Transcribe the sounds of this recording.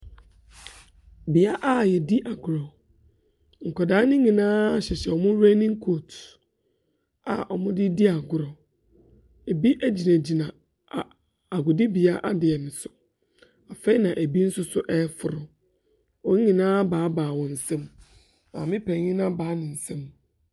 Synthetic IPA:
bɪ˨a˦ʔa˦jɛ˨di˦ʔa˨ɡʊ˨ɾɔ˨ | ŋ̩˨kɔ˨daː˨˦nɪ̃˦ɲĩ˨nãː˦˨˦ɕɛ˨ɕɛ˨ɔ˨mʊ̃˦ɾe˦nɪ̃˦ŋ̩˦kʰo˦˨t | a̰˨ʔɔ˨mʊ̃˦dɪ˦di˦a˨ɡʊ˨ɾɔ˨ | e˨bi˦ʔæ˦d͡ʑi˨nã˨d͡ʑi˨nã˨ | a˨ | a˨ɡʊ˨dɪ˦bi˨a˦ʔa˦dɪ˨ɛ˨nɪ̃˨sʊ˨ | a˨fe˦i˦nã˨ʔæ˨bi˦n̩˦sʊ˦sʊ˦ʔɛ˦fʊ˨ɾʊ˨ | wɔ̃˦ŋ˦ɲĩ˨nãː˦baː˨˦baː˨wɔ̃˨n̩˨sɛ̃˦m | nã̰˨mɪ̃˦pʰɛ̃˨˦ɲɪ̃˦nã˦baː˨˦nɪ̃˨n̩˨sɛ̃˦m

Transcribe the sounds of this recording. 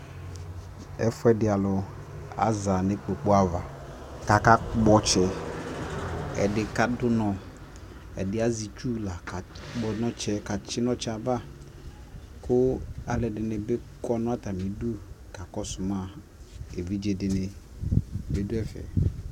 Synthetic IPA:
ɛ̰˦fʊ˦ɛ˦dɪ˨a˨lʊ˨ | a̰˨za˨nɪ̃˨˦k͡po˨k͡po˦a˦va˨ | ka˨ka˦k͡pɔ˦t͡ʃɛ˨ | ɛ̰˨dɪ˨ka˦dʊ˦nɔ̃˨ | ɛ̰˨dɪ˨˦a˦zi˨t͡ʃu˦la˨ka˨k͡pɔ˨nɔ̃˦t͡ʃɛ˦ka˨t͡ʃɪ˦nɔ̃˦t͡ʃɛ˦a˨ba˦ | kʊ˦a˨lɛ˨dɪ˨nɪ˨bɪ˦kɔ˦nʊ̃˦a˦t̪a˨mĩ˨du˦ | ka˨kɔ˦sʊ˨mã˦˨ | e˨vi˦d͡ʒe˨dɪ˨nɪ̃˨ | be˦dʊ˦ɛ˦fɛ̰˨

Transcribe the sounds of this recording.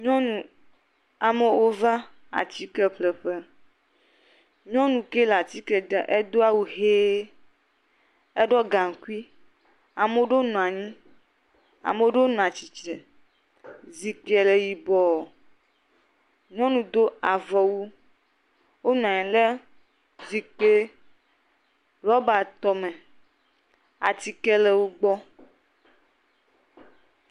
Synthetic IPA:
ɲɔ̃˦nũ˨ | a˨me˨wo˦va˦ | a̰˨t͡ɕi˦kɛ˦ɸlɛ˨ɸɛ˦ | ɲɔ̃˦nũ˨ke˦la˨t͡ɕi˦kɛ˨d̪ɛ˨ʔe˦d̪o˦a˨wu˦ɦe˦ | ɛ˦ɖɔ˦ɡa˨ŋ˨ku˦i˦ | a˨me˨˦o˦ɖo˦nɔ̃˨a˨ɲĩ˦ | a̰˨me˨o˦ɖo˦ñ˨ã˨t͡ɕi˨t͡ʃɛ˨ | zi˨kɛ˨le˨ji˨bɔ˨ | ɲɔ̃˦nũ˨d̪o˦a˨vɔ˨wu˦ | wo˦nɔ̃˨ɲɛ̃˨le˦ | zi˨k͡pe˦ | lɔ˦ba˨t̪ɔ˨mẽ˨ | a̰˨t̪i˨kɛ˦le˦wo˦ɡ͡bɔ˦

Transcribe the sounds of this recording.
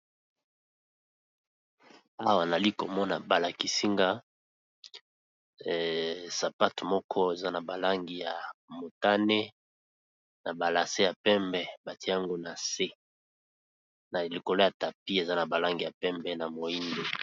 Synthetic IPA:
a˦wa˨n˨a˨li˦ko˨mɔ˦na˨ba˨la˨ki˨si˦ŋɡa˦˨ | sa˨pa˦tmɔ˦kʰɔ˦e˨za˦na˨ba˨la˦ŋɡi˨ja˨mo˨ta˦ne˦ | na˨ba˨la˨se˦ja˨pɛ˦mbɛ˦ba˨ti˦a˦ŋɡo˦na˨se˦ | na˨li˨ko˨lo˦ja˨ta˨pi˦e˨za˦na˨ba˨la˦ŋɡi˨ja˨pɛ˦mbɛ˦na˨mo˨i˦nde˨

